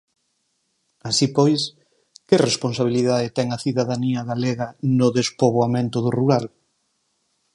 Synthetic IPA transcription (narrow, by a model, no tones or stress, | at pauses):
asipɔjs | kɪresponsaβ̞iliðaðɪt̪ɛŋɐθiðaðaniɐɣaleɣɐnʊðespoβ̞oamẽnt̪ʊðʊruɾal